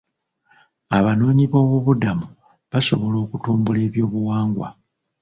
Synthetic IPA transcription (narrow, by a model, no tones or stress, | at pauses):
aβano̞ːɲiβo̞ːβuβudamu | βaso̞βo̞lo̞ːkutuːmbule̞ːβjo̞ːβuwaːŋɡwa̰